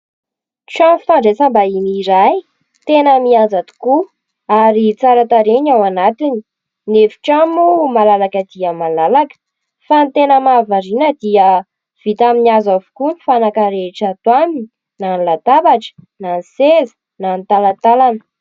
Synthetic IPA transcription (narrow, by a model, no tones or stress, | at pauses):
ʈ͡ʂamfaɳɖ͡ʐet͡sambaimiɾaj | t̪enəmiand͡zat̪u̥ku | aɾit͡saɾat̪aɾeɲawanat̪ini̥ | nefi̥ʈ͡ʂamumalalakəd̪iəmalalakə̥ | fant̪enəmavaɾinəd̪iə | v̥it̪aminiazavu̥kunifanakəɾeʈ͡ʂət̪wamini | nanlat̪abaʈ͡ʂə̥nansezi̥ | nant̪alat̪alanə̥